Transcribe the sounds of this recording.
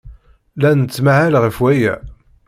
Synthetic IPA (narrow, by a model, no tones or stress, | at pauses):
lænət͡sːmaʕælʁəfwæjæ̰